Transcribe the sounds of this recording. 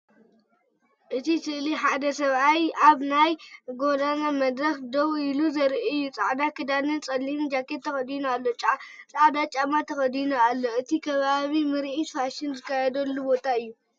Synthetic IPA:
ʔɨt̪ʰisɨliħad̪ɐsɐβajʔaβnajɡo̞d̪anamɐd̪ɾɐxd̪owiluzɐɾʔijːut͡sʼa̰ʕd̪akʰɨd̪anɨnt͡sʼɐlːind͡ʒakːet̪ʰːɐxɐd̪inoalːo̞t͡ʃʼat͡sʼaʕd̪at͡ʃʼamat̪ʰɐxɐd̪inoalːo̞ɨt̪ʰikʰɐβaβimɨɾʔifaʃɪnzɨkːajɛd̪ɐlːubo̞t̪ʰaɨjːu

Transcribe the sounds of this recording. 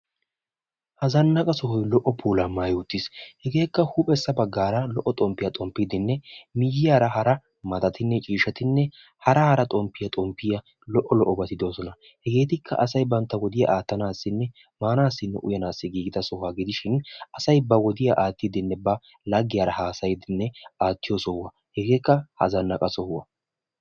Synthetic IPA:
hɐzɐnːɐkʼɐsɔɦɔjlɔʔɔpʰuːlɐmaːjʊt̪ːɪshɛɡe̞ːkːɐhuːpʼɛsːɐbɐɡːaːɾɐlɔʔːɔt̪ʼɔmpːɪjɐt̪ʼɔmpːɪd̪ɪnːɛmɪjːɪjaːɾɐɦɐɾɐ | mɐt̪ɐt̪ʰɪnːɛt͡ʃʼiːʃɐt̪ɪnːɛ | hɐɾɐhɐɾɐt̪ʼɔmpːɪjɐt̪ʼɔmpːɪjɐ | lɔʔːɔlɔʔːɔbɐt̪ɪd̪o̞ːsɔnɐ | hɛɡe̞ːt̪ɪkʰːɐ̰ʔɐsɐjbɐnt̪ːɐwɔd̪ɪja̰ʔaːt̪ːɐnaːsːɪnːɛ | maːnaːsːɪnːɛ̰ʔʊ̰jɐnaːsːɪɡiːɡɪd̪ɐsɔhaɡɪd̪ɪʃɪnʔɐsɐjbɐwɔd̪ɪjaʔaːt̪ːɪd̪ɪnːɛbɐ | lɐɡːɪjaːɾɐhaːsɐjd̪ɪnːɛaːt̪ːɪjɔsɔwɐ | hɛɡeːkːɐhɐ̰zɐnːɐkʼɐsɔhwɐ̰

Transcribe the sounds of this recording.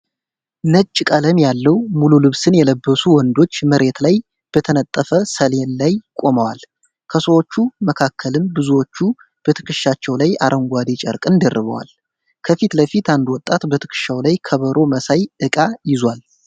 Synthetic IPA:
nət͡ʃʼːkʼələmjalːəwmululɨβsɨnjɛləbːəsuwɔnd̪o̞t͡ʃːməɾʔe̞t̪laj | b̥ət̪ʰənət̪ʼːəfəsəlenlajkʼo̞məwal | kʰəsəwot͡ʃːuməkʰakʰːəlɨmbɨzuwo̞t͡ʃːu | b̥ət̪ʰɨ̥kʰɨʃat͡ʃːɛwlaja̰ɾʔəŋɡʷad̪et͡ʃʼə̰ɾkʼɨnd̪ərːɨβə̰wa̰l | kʰəfit̪ləfit̪and̪wɔt̪ʼːat̪bət̪ʰɨ̥kʰɨ̥ʃawlajkʰəβəɾʔo̞məsajʔɨkʼajɪzwal

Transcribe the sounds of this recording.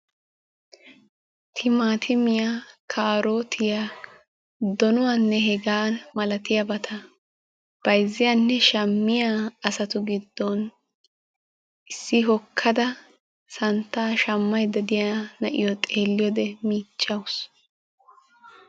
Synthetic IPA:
t̪ʰɪmaːt̪ʰɪmɪjakʰaːɾoːt̪ʰɪja | d̪ɔnʊwanːɛɦɛɡaːnmɐlɐt̪ɪjɐbɐt̪ʰɐ | b̥ɐjzːɪjanːɛʃɐmːɪjaɐsɐt̪ʊɡɪd̪ːɔn | ʔɪsːɪɦɔkʰːɐd̪ɐ | sɐnt̪ːaːʃɐmːɐjd̪ɐd̪ɪjanɐʔɪ̰jɔt̪ʼeːlːɪjɔd̪ɛmiːt͡ʃʼːɐws

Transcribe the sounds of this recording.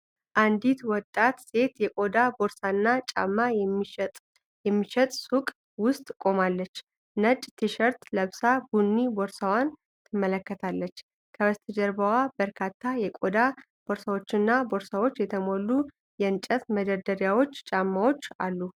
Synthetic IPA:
ʔand̪it̪wɔt̪ʼːat̪se̞t̪jɛkʼo̞d̪abo̞ɾsanːat͡ʃʼa̰mːat̪ʼ | jɛmːiʃɛt̪ʼsukʼ | wʊst̪ʼkʼo̞malːət͡ʃː | nət͡ʃʼt̪ʰɨʃəɾt̪ləβsabunːiboɾsawan | t̪ʰɨmːələkːət̪ʰalːət͡ʃː | kʰəwəst̪ʰɨd͡ʒəɾbəwabəɾkʰat̪ʰːajɛkʼod̪a | b̥o̞ɾsawo̞t͡ʃːɪnːabo̞ɾsawo̞t͡ʃːjɛt̪ʰəmo̞lːu | jɛnt͡ʃʼət̪məd̪əd̪əɾjawo̞t͡ʃːt͡ʃʼamːawo̞t͡ʃːa̰lːu

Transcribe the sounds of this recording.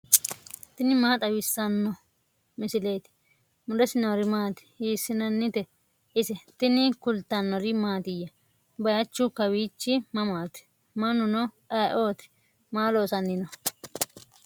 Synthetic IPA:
t̪ɪnɪmaːt̪ʼɐwɪsːɐnːɔ | mɪsɪleːt̪ɪ̥ | mʊd̪ɛsɪnɐɾɪmaːt̪ɪ̥hiːsːɪnɐnːɪt̪ɛ | ʔɪsɛt̪ɪnɪkʊlt̪ːɐnːɔɾɪmaːt̪ɪjɐ | bɐjɐt͡ʃːʊkɐwiːt͡ʃːɪmɐmaːt̪ɛ̥ | mɐnʊnɔʔɐʔoːt̪ɪ̥ | maːloːsɐnːɪnɔ

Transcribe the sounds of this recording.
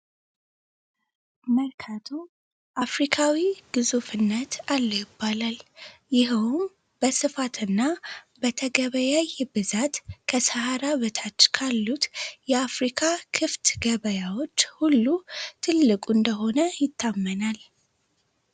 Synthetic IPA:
məlkʰat̪ʰu | ʔafɾikʰawiɡ̥ɨzufɨnːət̪ʰalːojɪbːalaljɪhwum | b̥əsɨfat̪ʰɨnːabət̪ʰəɡəβəjajbɨzat̪kʰəsəhaɾaβət̪ʰat͡ʃːkʰalːut̪jɛafɾikʰakʰɨft̪ɡəβəjawo̞t͡ʃːhulːut̪ʰɨlːɨkʼuɨnd̪əɦo̞nəjɪt̪ːamːənal

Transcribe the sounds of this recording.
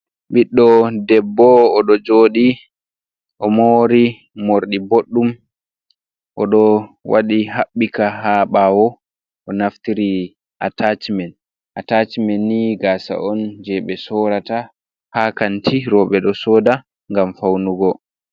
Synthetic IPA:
ɓiɗːɔdɛbːɔːɗɔd͡ʒoːɗi | ʔɔmoɾi | moɾɗiboɗːum | ʔɔ̰ɗɔwaɗiɦaɓːikaɦaɓawɔ | ʔɔnaftiɾi | ʔatat͡ʃimɛn | ʔatat͡ʃimɛnːiɡaːsa̰ʔɔnd͡ʒɛɓɛsɔɾata | hakantʰiɾɔɓɛɗɔsɔːda | ŋɡamfawnuɡɔ

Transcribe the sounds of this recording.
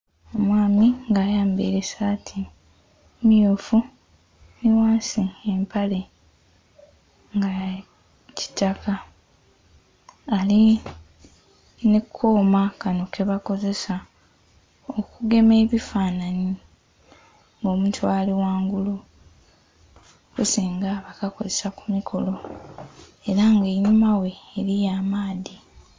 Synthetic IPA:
omwaːmiŋɡaːjaːmbḛɾesatʰi | mijoːfu | miwaːnsiempale̞ | ŋɡa | ci̥taka | li | nekʰoːmakano̞kʰe̞βako̞ze̞sa | okuɡe̞me̞ːβifaːnani | ŋɡo̞ːmuːtuaːliwaːŋɡulu | kusiːŋɡaβakako̞zesakumikʰo̞lo̞ | e̞ɾaŋɡe̞ɲumawe̞ːɾijaːmaːði

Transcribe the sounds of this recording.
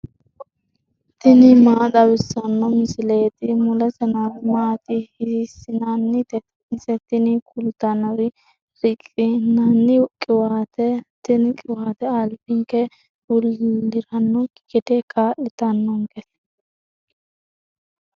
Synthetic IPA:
t̪ɪnɪmaːt̪ɐbɪsːɐnːɔmɪsɪleːt̪ɪmʊlɛsɛnɐwɪmaːt̪ɪhɪsːɪnɐnːɪt̪ɛ | sɛt̪ɪnɪkʰʊlt̪ɐnɐɾɪ | ɾɪkʼːɪnɐnːɪkʼɪwaːt̪ɛt̪ɪnkʼɪwaːt̪ɛalbɪŋkɛ | ʊlːɪɾɐnːɔkɪkɪt̪ɛkaːʔɪt̪ɐnːɔŋkɛs

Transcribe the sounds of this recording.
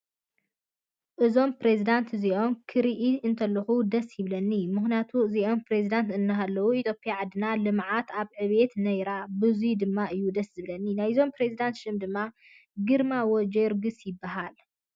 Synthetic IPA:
ʔɨzo̞mpɾezid̪ant̪ziʔo̞mkʰɨɾiʔiɨnt̪ʰɐlːɐxud̪ɐsjɪβlɐnːimɨxnjat̪ʰuziʔo̞mpɾezid̪ant̪ɨnːɨɦalːɐwuit̪ʰjo̞pːjaʕad̪ːɨnalɨmʕat̪aβʕɨβe̞t̪nɐjɾabɨzujd̪ɨmːaʔɨjːud̪ɐszɨβlɐnːinajzo̞mpɾezid̪ant̪ʃɨmd̪ɨmːa | ɡɨɾmawod͡ʒeɾɡɨsjɪbːaɦal

